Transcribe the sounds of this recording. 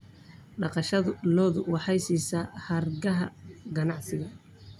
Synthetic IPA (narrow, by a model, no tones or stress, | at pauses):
ɖɑqɑʃɐðʊlɔːðʊwɑħɑjsiːsahɐrɡɐɦɐɡɐnɑʕsɪɣɐ